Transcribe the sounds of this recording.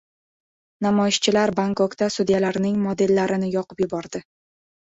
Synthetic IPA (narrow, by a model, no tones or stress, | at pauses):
namɒjɪʃt͡ʃʰɪlaɾbaŋkokt̪asʊd̪jalaɾnɪŋmod̪e̞lːaɾɪnɪjɒqʰɨpjʊbɒɾd̪ɪ